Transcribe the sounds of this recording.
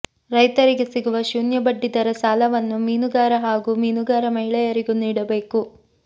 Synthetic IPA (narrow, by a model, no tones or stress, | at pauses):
ɾɐjt̪ɐɾiɡesiɡuʋɐʃuːnjɐbɐɖːid̪ɐɾɐsaːlɐʋɐnːumiːnuɡaːɾɐɦaːɡumiːnuɡaːɾɐmɐɦiɭɐjɐɾiɡuniːɽɐbe̞ːku